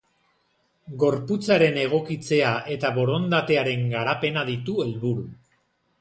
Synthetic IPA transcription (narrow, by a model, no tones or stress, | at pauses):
ɡo̞ɾput͡saɾe̞ne̞ɣ̞o̞kit͡se̞aʔe̞t̪aβo̞ɾo̞nd̪at̪e̞aɾe̞ŋɡaɾape̞naðit̪ue̞lβuɾu